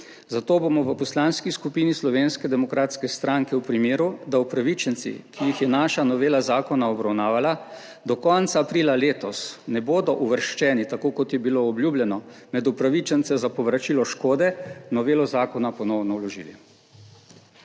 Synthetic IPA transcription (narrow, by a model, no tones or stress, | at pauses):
zat̪oːbomɔʋəpɔslaːnskiskupiːnislɔʋeːnskɛd̪ɛmɔkɾaːt̪skɛst̪ɾaŋkɛwpɾimeːɾud̪aupɾaʋit͡ʃənt̪sḭkijixjɛnaːʃanɔʋeːlazaːkɔnaɔbɾawnaːʋala | d̪ɔkɔnt̪saːpɾilaleːt̪ɔsnɛboːd̪ɔʔuʋəɾʃt͡ʃɛːnit̪akoːkɔt̪jɛbiloːblʲjuːbljɛnɔmɛd̪upɾaʋit͡ʃɛnt̪sɛzapɔʋɾat͡ʃiːlɔʃkoːd̪ɛnɔʋeːlɔzaːkɔnapɔnɔwnɔwlɔʒḭli